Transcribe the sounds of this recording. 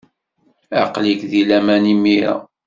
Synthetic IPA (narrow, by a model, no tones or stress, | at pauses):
æqlikðilæmænimːiɾæ̰